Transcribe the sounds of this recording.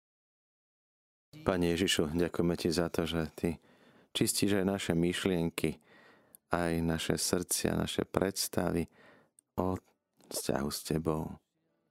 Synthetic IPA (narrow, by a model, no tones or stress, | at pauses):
paːɲɛjɛʒiʃuɟakujmɛcizat̪ɔʒɛt̪ʰi | t͡ʃisciːʒajnaʃɛmiʃlɪɛŋki | ajnaʃɛ̰sr̩t͡sɪa̰na̰ʃɛ̰pɾɛt̪st̪a̰ʋi | ɔ | sca̰ɦuscɛbɔʊ